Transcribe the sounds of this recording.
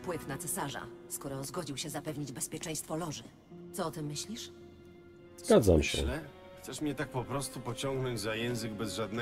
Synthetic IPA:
pwɘt̪nat̪sɛsaʐa̰skɔɾɔzɡɔd͡ʑiwɕɛzapɛvɲid͡ʑbɛspʲjɛt͡ʂɛ̃j̃st̪fɔlɔʐɘ | t̪sɔɔt̪ɛmːɘɕlʲiʂ | z̥ɡad̪za̰mɕɛ̰ɛ | t̪sɛʂmɲɛt̪ak̚pɔpɾɔst̪upɔt͡ɕɔŋɡnɔɲd͡ʑzajɛ̃w̃zɘɡbɛzʐad̪nɛ

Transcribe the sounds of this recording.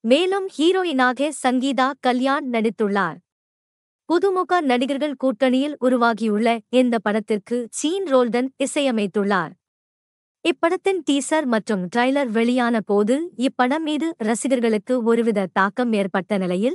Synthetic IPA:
meːlɯmhiːɾoːjɪnaːɣesɐŋɡiːðaːkɐljaːnnɐɽɪt̪ːɯɭːaːɾ | pʊðɯmʊɣanɐɽɪɣɐɾɣɐɭkuːʈːɐnɪjɪlʊɾʊʋaːɣijʊɭːɐɛnd̪ɐpːɐɽɐt̪ːɪrkɯt͡ʃiːnɾoːlɖɐnɪsɐjɐmɐɪt̪ːɯɭːaːɾ | ɪpːɐɽɐt̪ːɪnʈiːsɐɾmɐʈrɯmʈɾɐɪlɐɾʋɛɭɪjaːnɐpoːðɯɪpːɐɽɐmːiːðɯɾɐsɪɣɐɾɣɐɭɯkːɯɔɾɯʋɪðɐt̪aːkɐmːeːrpɐʈːɐnɪlɐjɪl

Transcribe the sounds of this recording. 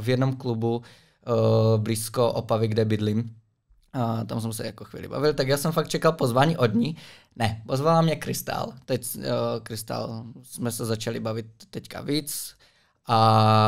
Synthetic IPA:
vjɛdnomklubu | bliːskoʔopavɪɡdɛbɪdlim | t̪ams̬ɛmsɛjakoxʋḭːlḭba̰vɪlt̪aɡjaːsɛmfakt̪̚t͡ʃɛkalpozvaːɲiːʔod̪ɲi | nɛpozvalamɲɛkɾɪst̪a̰lt̪ɛckɾɪst̪a̰lsmɛsɛzat͡ʃalɪbavɪt̪ːɛcka̰viːt͡s | ʔa

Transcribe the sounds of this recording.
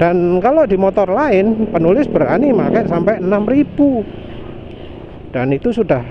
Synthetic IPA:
d̥ankalodimɔt̪ɔrlaɪnpənulɪsbəɾa̰nimakɛʔsampɛənamrib̥u | d̥anit̪usudah

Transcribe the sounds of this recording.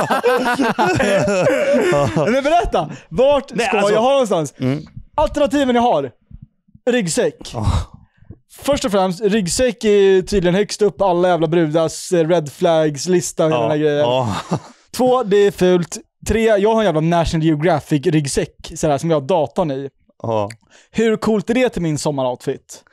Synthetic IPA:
ɛmɛnbɛɾɛt̪ːavaʈskajaɦɑːnɔnst̪ansalt̪ɛɳat̪iːvənɪɦaɾ | ɾʏɡsɛkː | fœʂʈɔfɾɛmst̪ɾʏɡsɛkːæɾjt̪ʰyːd̪lɪɡənhœkst̪ɵpːɔalːajæːvlabɾʉ̟ːd̪asɾɛd̪flæɡslɪst̪aɾɔh̪anæːɡɾɛjːəɾ | t̪ʰvoːd̪ɛæfʉ̟ːlt̪ | t̪ʰːɾeːjɑːɡhaɾɛnjæːvlanæʂʊnljɛʊɡɾɑfɪɡɾʏɡsɛkːsɔæːʂɔmjɑːhad̪ɑːt̪ɔnɪ | hɵɾkʰuːlt̪æɖɛt̪ʰɪlmɪnsɔmːaɾaʊt̪fɪt̪ː

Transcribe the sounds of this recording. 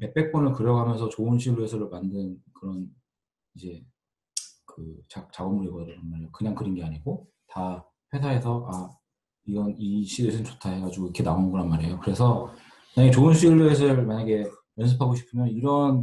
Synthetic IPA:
me̞p͈e̞k̚p͈onɯɭkɯɾjʌɡʱamjʌnsʰʌt͡ɕoɯnɕʰiɭːoesʰɯɾomandɯnkɯɾʌn | id͡ʑe̞ | kɯt͡ɕat͡ɕaɡʌmuɾeɡʌdɾɯɾanmaɾejokɯɲaŋkɯɾɯnɡe̞aɲiɡo | ta | pʰe̞sʰaɦe̞sʰʌʔa | iɡʌniɕʰidesʰɯnt͡ɕotʰaɦe̞ɡad͡ʑiɡoikʰe̞naonɡʌɾanmaɾejokɯɾe̞sʰʌ | ɯaɲaɡet͡ɕoɯnɕʰiɭːoes̬ʰɯɭmaɲaɡe̞ | jʌns̬ʰɯpʰaɡoɕʰi̥pʰɯmjʌniɾʌn

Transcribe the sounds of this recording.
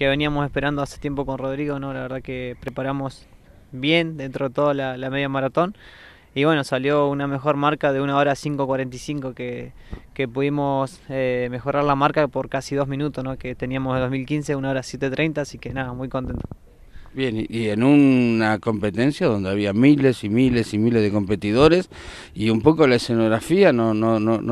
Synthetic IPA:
ke̞βe̞niamo̞se̞spe̞ɾand̪oase̥t̪je̞mpo̞ko̞nro̞ðɾiɣo̞no̞laβe̞ɾð̞akepɾepaɾamo̞s | βje̞nd̪e̞nt̪ɾoðet̪o̞ðalalame̞ðjamaɾat̪o̞n | iβwe̞no̞saljo̞uname̞xo̞ɾmaɾkaðeunaoɾasiŋkokwaɾe̞nt̪isiŋko̞ke | kepuðimo̞seme̞xo̞ɾaɾlamaɾkapoɾkasiðozmĩnut̪osnoket̪e̞niamosed̪omilkinse̞unao̞ɾasje̞t̪et̪ɾejnt̪aːsike̞naðamwujko̞nt̪e̞nt̪o̥ | bjeniʔienunako̞mpe̞t̪e̞nsjaðo̞nd̪eaβiamilesimilesimilezðeko̞mpe̞t̪iðo̞ɾes | iumpokolaesenoɣɾafianonono

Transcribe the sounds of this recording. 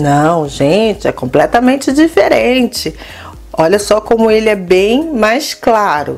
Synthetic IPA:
nɐ̃w̃ʒẽt͡ʃɪɛkõmplɛt̪ɐmẽnt͡ʃɪd͡ʒifeɾẽt͡ʃɪ | ɔʎɐsɔkõmʊelɪɛbẽj̃majsklaɾʊ̰

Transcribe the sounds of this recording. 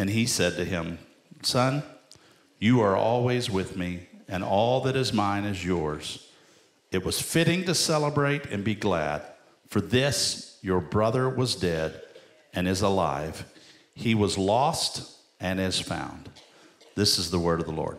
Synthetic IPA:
ɨ̃nisɛd̚tɨɪ̃m | sʌ̃n | jɨə˞ʔɔlˠwizwɪðmiɨ̃nɔlˠðɨɾɨzmãɪ̃nɨzjɔɹz̥ | ɨt̚wʌz̥fɪɾɪ̃ŋtɨsɛlˠəbɹeɪɾɨ̰̃nbiɡlæ̰d̥ | fə˞ðɪsjə˞bɹʌðə˞wʌzdɛɾ | ɨ̃nɨzəla̰ɪv̥ | iwʌzlɔst | ɨ̃nɨz̥fã̰ʊ̃n | ðɪsɨzðəwɜ˞ɾʌvðəlɔ̰ɹd̥̚

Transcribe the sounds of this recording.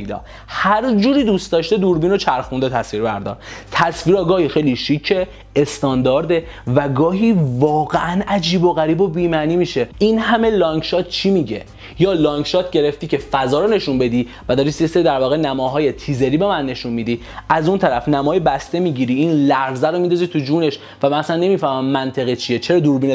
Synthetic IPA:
lɒ̰ː | hæɾd͡ʒuːɾiːd̪ust̪ɒːʃt̪e̞d̪uɾbiːno̞t͡ʃʰæɾxund̪et̪ʰæsviːɾbæɾd̪ɒ̰ɾt̪ʰæsviːɾɒːɡɒːhiːxejliʃicʰːe | est̪ɒːnd̪ɒːɾd̪e | væɡɒːɦiːvɒːɣeʔænæd͡ʒiːboɣæɾiːbobiːmæniːmiːʃe̞inhæme̞lɒːŋkʃɒːt̪̚ʰt͡ʃʰimiɟḛ | jɒːlɒːŋɡʃɒːt̪̚ʰɟe̞ɾeft̪iːcʰe̞fæzɒːɾone̞ʃunbe̞d̪i | væd̪ɒːɾisieseid̪æɾvɒːɣe̞næmɒːɦɒːje̞t̪ʰiːze̞ɾiːbe̞mænːe̞ʃunmid̪iː | ʔæzunt̪ʰæɾæfnæmɒːjebæst̪e̞miːɟiɾiiːnlæɾzæɾomind̪ɒːzit̪ʰud͡ʒuːne̞ʃ | væmænæsænːe̞miːfæhmæmːænt̪ʰe̞ɣit͡ʃʰie̞t͡ʃʰeɾɒːd̪uːɾbine

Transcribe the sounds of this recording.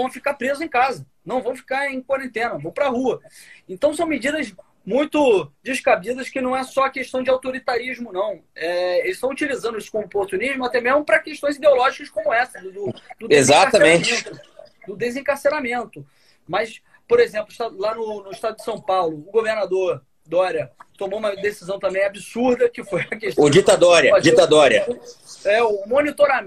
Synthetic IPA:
vɐ̃w̃fi̥kapɾezʊẽj̃kazɐ | nɐ̃w̃vɐ̃w̃fi̥kaɾẽj̃kwaɾẽnt̪ẽnɐvõw̃pɾɐhuɐẽnt̪ɐ̃w̃sɐ̃w̃mɪd͡ʒid̪ɐz | mũj̃t̪ʊd͡ʒɪʃkabid̪ɐʃkɪnɐ̃w̃ɛsɔɐkeʃt̪ɐ̃w̃d͡ʒɪawt̪oɾit̪aɾiʒmʊnɐ̃w̃ɛelɪsʃt̪ɐ̃w̃ut͡ʃilizɐ̃nd̪ʊisʊ̥kõmopoɾt̪uniʒmʊat̪ɛmeʒmʊpɾɐkeʃt̪õj̃zid̪eolɔʒikɐskõmʊɛsɐd̪ʊd̪ʊd̪ʊezaɐmẽt͡ʃt̪ʊd̪ʊd̪ezẽkaɾseɾamẽnt̪ʊ | mɐs | poɾezẽplʊiʃt̪alanʊnʊɪʃt̪ad̪ʊd͡ʒɪsɐ̃w̃pawlʊːɡoveɾnad̪oɾ | d̪ɔɾjɐt̪omoumɐd̪esizɐ̃w̃t̪ɐ̃mbẽj̃abisuɾd̪ɐkɪfojɐkeʃod͡ʒit̪ad̪oɾɐd͡ʒit̪ad̪ɔɾɐ̰ | ɛʊmonit̪oɾa

